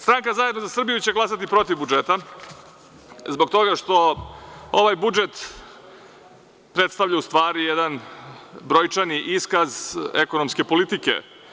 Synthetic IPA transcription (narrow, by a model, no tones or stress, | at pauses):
st̪ɾaŋkazaje̞d̪nozasr̩bijut͡ɕe̞ɡlˠasat̪ipɾo̞t̪ivbud͡ʒet̪a | zboɡ̚t̪o̞ɡaʂt̪o̞ | o̞ʋajbud͡ʒet̪ | pɾet̪st̪aʋʎaust̪ʋaːɾijed̪an | bɾo̞jt͡ʂaniʔiskazeko̞nomske̞po̞lit̪ikḛ